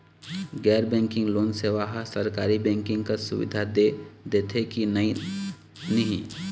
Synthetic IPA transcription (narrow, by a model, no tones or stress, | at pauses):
ɡɛːɾbɛ̃ːŋkɪ̃ŋɡloːnseːʋaɦsəɾkaːɾibɛ̃ːŋkɪ̃ŋɡkasʊ̰ʋɪ̰d̪ʱad̪ed̪eːt̪ʰekini | nɐɦĩ